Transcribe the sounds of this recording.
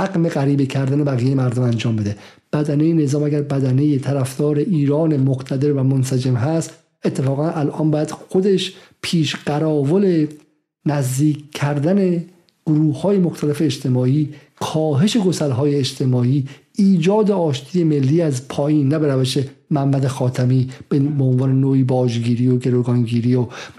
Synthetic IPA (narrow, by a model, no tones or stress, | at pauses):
æɡmeɣæɾiːbecʰæɾd̪æne̞bæɣijejemæɾd̪omænd͡ʒɒːmbe̞d̪e̞b̥æd̪ænejene̞zɒːmæɡæɾbæd̪æne̞jet̪ʰæɾæfd̪̥ɒːɾe̞ʔiːɾɒːne̞moχt̪ʰæd̪e̞ɾvæmonsæd͡ʒemɦæst̪ | et̪ʰːe̞fɒːɣænʔælʔɒːmbɒːjæd̪̥xo̞d̪e̞ʃ | pʰiːʃɢ̥æɾɒːvole̞ | næzd̪iːkʲʰːæɾd̪æne̞ | ɡ̥oɾuːhhɒːje̞moxt̪ʰælefe̞ːd͡ʒt̪ʰe̞mɒːiː | kʰɒːɦe̞ʃe̞ɡosælɦɒːjeːd͡ʒt̪ʰe̞mɒːiː | iːd͡ʒɒːd̪e̞ɒːʃt̪ʰiːje̞me̞lːiːæzpʰɒːjiːnːæbe̞ɾæveʃe̞mæmːæd̪exɒːt̪ʰæmiːbebeonvɒːne̞noːiːbɒːd͡ʒɡiːɾiːjoɡe̞ɾoɡɒːnɡiːɾiːjo